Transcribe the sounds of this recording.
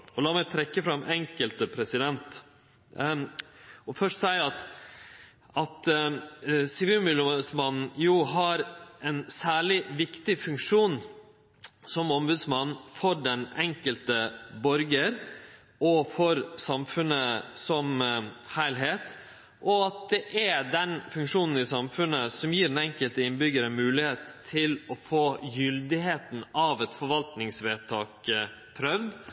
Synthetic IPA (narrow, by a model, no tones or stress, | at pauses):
ɔlɑːmɛɪt̪ʰɾɛkːəfɾɑmʔɛŋkəlt̪əpʰɾɛsɪd̪ɛnt̪ | ɔfœʂtsæɪɑt̪ | ʔɑt̪ | sɪʋiːlmɪləmsmɑnn̩juːɦɑɾʔɛnsæːɭɪʋɪkt̪ɪfʉŋkʂuːn | sɔmɔmbʉːd̪smɑnn̩fɔɾɖɛnɛŋkəlt̪əbɔɾɡəɾ | ʔɔfɔɾsɑmfʉnəsɔmhæɪlɦeːt̪ | ʔɔɑt̪̚d̪ɛʔɛdɛnfʉŋkʂuːnn̩ɪsɑmfʉnːəsɔmjiːɖɛnɛŋkəlt̪əɪnbʏɡəɾəmʉːlɪheːt̪ʰːɪlɔfoːjʏld̪ɪɦeːt̪n̩ɑʋɛt̪fɔɾʋɑlt̪nɪŋsʋeːt̪ʰɑːk | pʰɾœʋd̪